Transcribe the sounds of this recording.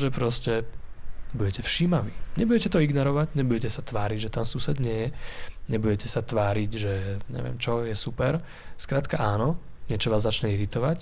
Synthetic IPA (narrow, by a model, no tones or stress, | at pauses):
ʒɛpɾɔscɛ | buɟɛcɛfʃiːmaʋiːɲɛbuɟɛcɛt̪ɔiɡnɔɾɔʋaɟɲɛbuɟɛcɛsat̪ʋaːɾiɟʒɛt̪ansusɛd̪ɲɪɛjɛɲɛbuɟɛcɛsat̪ʋaːɾiɟʒɛɲɛ̰ʋɪɛ̰ːmt͡ʃɔjɛsupɛɾ | skɾaːt̪kaʔaːnɔ | ɲɪɛt͡ʃɔʋaːzːat͡ʃɲɛiɾit̪ɔʋac